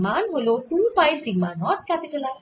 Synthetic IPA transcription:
manɦolot̪ũpajsiɡmanɔt̪̚kat̪et̪ʰela

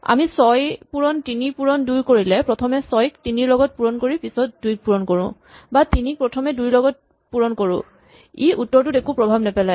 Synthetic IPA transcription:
a̰misɔjpuɹɔntinipuɹɔnduɹkoɹilɛpɹɔtʰɔmɛsɔjktiniɹlɔɡɔt̚puɹɔnkoɹipisɔt̚dujk̚puɹɔnkoɹʊ̰̃ | batinik̚pɹɔtʰɔmɛdujlɔɡɔt̚ | puɹɔnkoɹʊ̰̃ | iutːɔɹtʊdekupɹɔbʱabnɛpɛlaj

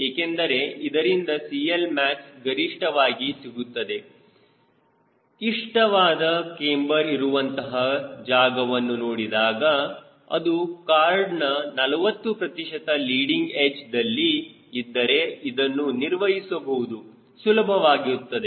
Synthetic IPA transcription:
eːkend̪ɐɾe̞id̪ɐɾind̪ɐsielmæːksɡɐɾiʂʈɐʋaːɡisiɡut̪ːɐd̪e̞ | iʂʈɐʋaːd̪ɐkeːmbɐɾiɾuʋɐnt̪ɐɦɐd͡ʒaːɡɐʋɐnːunoːɽid̪aːɡɐ | ɐ̰d̪ukaːɾɖnɐnɐlɐʋɐt̪ːupɾɐt̪iʃɐt̪ɐliːɽiŋɡet͡ʃd̪ɐlːi | id̪ːɐɾe̞id̪ɐnːuniɾʋɐɦisɐbɐɦud̪u | sulɐbʱɐʋaːɡiut̪ːɐd̪e

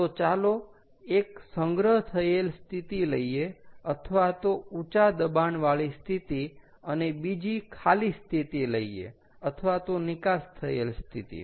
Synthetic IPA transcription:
t̪ot͡ʃalo | eksəŋɡɾəɦt̪ʰəelst̪ʰit̪iləieət̪ʰəʋat̪out͡ʃad̪əbanʋaɭist̪ʰit̪i | ənebid͡ʒikʰalist̪ʰit̪iləiḛ | ət̪ʰəʋat̪onɪkast̪ʰəḛlst̪ʰḭt̪ḭ

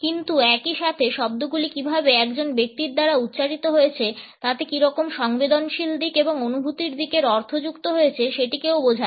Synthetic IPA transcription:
kint̪uɛkiʃat̪ʰeʃɔb̚d̪oɡulikibʱabeɛkd͡ʑonbek̚t̪iɾd̪aɾaut̪ːɕaɾit̪oɦoet͡ɕʰet̪at̪ekiɾɔkomʃɔŋbed̪onʃild̪ikeboŋonubʱut̪iɾd̪ikeɾɔɾt̪ʰod͡ʑukt̪oɦojet͡ɕʰeʃeʈikewbod͡ʑʱa

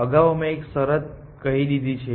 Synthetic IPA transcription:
əɡaʋəmẽeksəɾət̪̚ | kəɦiɗ̪id̪ʱit͡ʃʰe

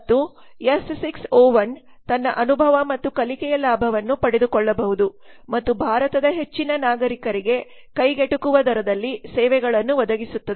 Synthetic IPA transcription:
t̪ːu | jessiksɔːʋɐn | t̪ɐnːɐʔɐnubʱɐʋɐmɐt̪ːukɐlikɛjɐlaːbʱɐʋɐnːupɐɽed̪ukɔɭːɐbɐɦud̪u | mɐt̪ːubʱaːɾɐt̪ɐd̪ɐɦe̞t͡ʃːinɐnaːɡɐɾikɐɾiɡe̞ | kɐjɡeʈukuʋɐd̪ʱɐɾɐd̪ɐlːisɛːʋɛɡɐɭɐnːuʋɐd̪ɐɡisut̪ːɐd̪

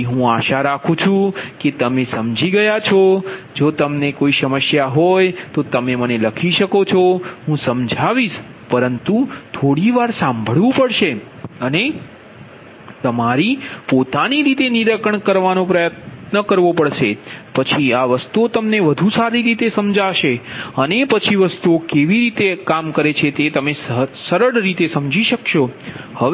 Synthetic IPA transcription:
ɦũaʃaɾakʰũt͡ʃʰũket̪əmesəmd͡ʒiɡəjat͡ʃʰɔd͡ʒot̪əmnekoisəməsjaɦojt̪ot̪əmeməneləkʰiʃəkot͡ʃʰɔɦũsəmd͡ʒʱaʋiʃ | pəɾənt̪ut̪ʰoɽiʋaɾsãmbʱəɭʋũpəɽʃe | əne | t̪əmaɾipot̪aniɾit̪eniɾəkəɳkəɾʋanõpɾəjət̪nəkəɾʋopəɽʃepət͡ʃʰiaʋəst̪uot̪əmneʋəd̪ʱũsaɾiɾit̪esəmd͡ʒaʃeənepət͡ʃʰiʋəst̪uokeʋiɾit̪ekamkəɾet͡ʃʰet̪et̪əmessəɾəɽɾit̪esəmd͡ʒʱiʃəkʃohə

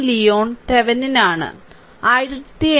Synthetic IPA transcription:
lijoːɳt̪eʋɐninaːɳɨ̰ | ajɾɐt̪ːie

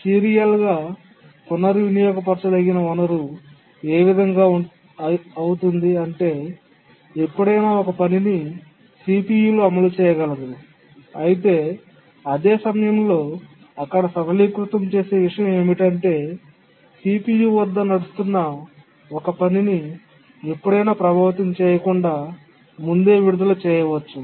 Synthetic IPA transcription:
siːɾijɐlɡaː | k̪unːɐɾiʋinijɔːɡɐpɐɾt͡ʃɐd̪ɐɡːinɐunɐɾu | eːʋid̪ʱɐŋɡaː | ɐwut̪und̪iɐɳʈe̞ː | ipːuɽɐjnaːɔkɐpɐnini | siːpiːjuloɐmɐlut͡ʃɛːjɐɡɐlɐd̪uu | ɐjit̪̬e̞ː | ɐd̪eːsɐmɐjɐmlo̞ː | ɐkːɐɽɐsɐbɐlikɾut̪ɐmt͡ʃe̞ːse̞ːʋiʂɐjɐme̞ːmiʈɐɳʈe̞ː | siːpiːjuʋɐd̪ːɐnɐɽust̪unːɐ | ɔkɐpɐnini | epːuɽɐjnaːpɾɐbʱaːʋɐt̪ɐmt͡ʃɛːjɐkuɳɖaː | mund̪e̞ːʋiɽud̪ɐlut͡ʃɛːjɐʋɐt͡ʃːu

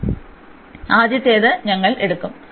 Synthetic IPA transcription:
aːd̪jɐt̪ːeːðɨɲɐŋːɐɭe̞ɽukːum

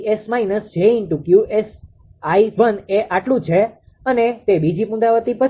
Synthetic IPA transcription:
esmainəsd͡ʒeinʈukjuʔes | aiʋəneʔaʈlũt͡ʃʰe | ənet̪ebid͡ʒipũnd̪aʋət̪ipə

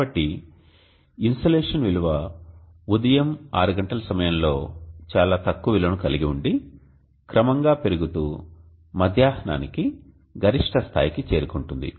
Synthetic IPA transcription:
ɐʈːi | insoleːʂɐnʋiluʋɐ | ud̪ɐjɐmaːɾuɡɐɳʈɐlɐsɐmɐjɐmlo̞ːt͡ʃaːlaːt̪ɐkːuʋilɐnukɐliɡiuɳɖi | kɾɐmɐŋɡaːpe̞ɾuɡut̪uː | mɐd̪ʱjaːhna̰ːniki | ɡɐɾiʂʈʰɐst̪ʰa̰ːjikit͡ʃe̞ːɾukuɳʈund̪ḭ

